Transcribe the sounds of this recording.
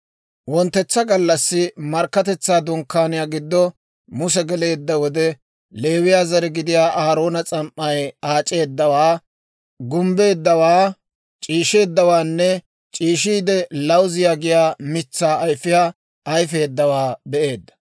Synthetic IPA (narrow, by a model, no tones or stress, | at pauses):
wɔnt̪ːɛt͡sːɐɡɐlːɐsːɪmɐɾkːɐt̪ɛt͡sːaːd̪ʊŋkːaːnɪjaːɡɪd̪ːɔ | mʊsɛɡɛle̞ːd̪ːɐwɔd̪ɛ | le̞ːwɪjaːzɐɾɛɡɪd̪ɪjaːʔaːɾo̞ːnɐt͡sʼɐmʔːɐjaːt͡ʃʼe̞ːd̪ːɐwaː | ɡʊmbe̞ːd̪ːɐwaː | t͡ʃʼiːʃe̞ːd̪ːɐwaːnːɛ | t͡ʃʼiːʃiːd̪ɛlɐwzɪjaːɡɪjaːmɪt͡sːaːjfɪjaː | ɐjfe̞ːd̪ːɐwaːbɛʔe̞ːd̪ːɐ̥